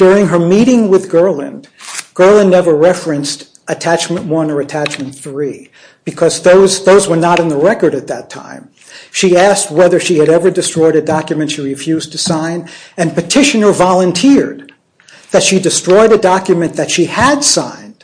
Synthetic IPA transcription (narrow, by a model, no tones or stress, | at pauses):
d̥ʊɹɪ̃ŋə˞miɾɪ̃ŋwɪðɡɜ˞lˠɨ̰̃n | ɡ̥ɜ˞lˠə̃nːɛvə˞ɹɛfɹɨ̃nst | ɨtʰæt͡ʃmɨ̃nʔwʌ̃nə˞ɨtʰæt͡ʃmɨ̃nθɹi | b̥ɨkʰʌzðoʊzðoʊzwə˞nəɾɨ̃nðəɹɛkə˞ɾɨt̪̚ðɨtʰã̰ɪ̃m | ʃiæst̚wɛðə˞ʃiɨɾɛvə˞dɨstɹ̥ɔɪɾɨdɑkjɨmɨ̃ntʃiɹifjʉztʰɨsãɪ̃nɨ̃npɨtʰɪʃɨnə˞vɑlˠə̃ntʰɪɹd̪̚ | ðɨtʃidɨstɹ̥ɔɪɾɨdɑkjɨmɨ̃nðɨtʃiɨd̥sã̰ɪ̃nd̥